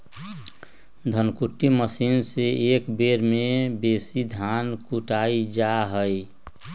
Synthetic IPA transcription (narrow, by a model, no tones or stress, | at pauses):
d̪ʱənkuʈːiməsinseekbeɾmebesid̪ʱankuʈaid͡ʒaɦəj